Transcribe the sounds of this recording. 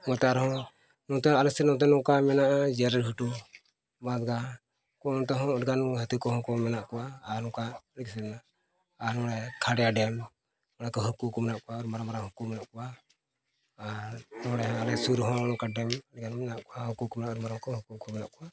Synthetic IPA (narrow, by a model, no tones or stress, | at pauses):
mɔt̪aaɾhɔ̃ | nɔ̃t̪ɛalɛsɛnɔt̪ɛnɔ̃kamɛnaʔad͡ʒɛɾɛɾɦuʈu | mad̪ɡa | kɔnɔ̃t̪ɛɦɔ̃ɖɡanɦət̪ikɔɦɔ̃kɔmɛnaʔkɔwaːɾnɔ̃kalɛksɛɛnaː | ɾnɔ̃ɽɛkʰaɽɛjaɖɛm | mɔɽakɔɦukukɔmɛnaʔkɔwaɔɾmaɾamaɾahɔkumɛnaʔkɔwa | ɾnɔɽɛɦɔ̃alɛsuɾɦɔ̃nɔkaɖɛmlɡanmɛnaʔkɔahɔkukɔmɛnaʔɔɾmaɾaŋkɔhukukɔmɛnaʔkɔwa